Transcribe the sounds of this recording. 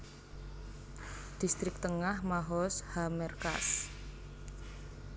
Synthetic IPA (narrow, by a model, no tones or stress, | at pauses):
d̪̥ist̪ɾɪk̚t̪əŋahmaɦɔshamɛrka̰s